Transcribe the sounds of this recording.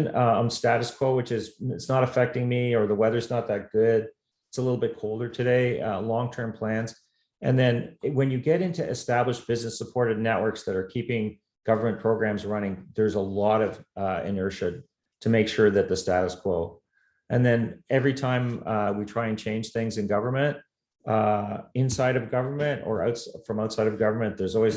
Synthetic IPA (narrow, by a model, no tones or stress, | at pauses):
nãɪ̃mstæɾɨskʰw̥oʊwɨt͡ʃɪzɪtsnəɾəfɛk̚tɪ̃ŋmiə˞ðəwɛðə˞znət̪̚ðɨt̚ɡ̥ʊd | ɪtsəlɪɾl̩ˠbɪt̚kʰoʊlˠdə˞tʰɨɾeɪlɔ̃ŋtʰɜ̃˞mpʰl̥æ̃nz̥ | ʔɨ̰̃nðɨ̃nwɨ̃njɨɡɛɾɪ̃ntʉʔɨstæbləʃb̥ɪznɨsəpʰɔɹɾɨdⁿnɛʔ̚wɜ˞ksðɨɾə˞kʰipɪ̃ŋ | ɡ̥ʌvə˞mɨ̃npʰɹ̥oʊɡɹæ̃mzɹʌñɪ̃ŋðə˞zəlɔɾʌvɨ̰̃nɜ˞ʃɨd̚ | tʰɨmeɪkʃʊɹðɨt̪̚ðɨstæɾəskʰw̥oʊ | ʔɨ̃nðɨ̃nɛvɹitʰãɪ̃mwitʰɹ̥aɪɨ̃nt͡ʃʰẽɪ̃nd͡ʒ̥ʒ̥θɪ̃ŋzɨ̃nɡʌvə˞mɨ̃nt̚ | ɪ̃nsaɪɾʌvɡʌvə˞mɨ̃ntə̰˞ʔa̰ʊtsfɹʌ̃maʊtsaɪɾʌvɡʌvə˞mɨ̃nðə˞zɔlˠwiz